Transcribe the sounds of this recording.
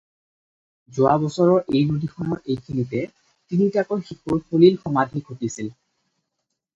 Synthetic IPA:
zʊabɔsɔɹɔɹʔejnodʱixʰɔnɔɹʔejkʰinitɛ | tinitakɔɹxikoɹpʰolilxɔmadʱiɡʱotisil

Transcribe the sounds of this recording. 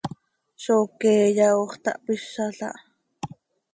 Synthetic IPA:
ʃokeːjɑoχt̪ɑ̰ʔpiʃːɑɬɑ̰ʔ

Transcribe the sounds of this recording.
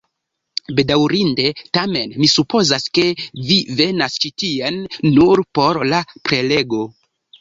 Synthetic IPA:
be̞dawɾinde̞tame̞nmisupo̞zaske̞vive̞nast͡ʃitianːuɾpo̞ɾlapɾe̞le̞ɡo̞

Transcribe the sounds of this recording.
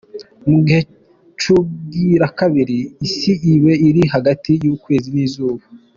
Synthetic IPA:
muɡihe̞ | t͡ʃuɡiɾakaβiɾiːsiʔiβe̞iɾiɦaɡatijuːkwe̞ːziniːzuːβa

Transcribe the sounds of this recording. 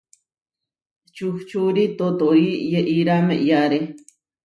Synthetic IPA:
t͡ʃuxt͡ʃuɾit̪ot̪oijeʔiɾameʔjaɾe

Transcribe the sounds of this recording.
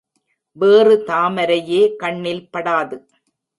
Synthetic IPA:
ʋeːrɯt̪aːmɐɾɐjeːkɐɳːɪlpɐɽaːðɯ

